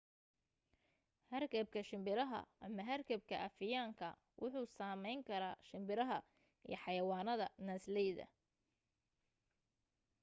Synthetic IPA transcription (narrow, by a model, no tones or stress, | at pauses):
hɐrkʰɐb̚kʰɐʃɪmbɪɾɐɦɐ̰ʔɐmɐɦɐrkʰɐb̚kʰɐʔɐfɪjaːŋkʰɐ̰ | wʔʊħuːsaːmɛjŋkʰɐɾaːʃɪmbɪɾɐɦɐ | ʔḭjɞħɑjɐwɑːnɐðɐnɐslɛjðɐ̰